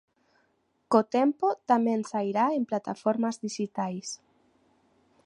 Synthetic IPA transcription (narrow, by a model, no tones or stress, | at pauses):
kot̪empot̪amensajɾaemplat̪afoɾmazdisit̪ajs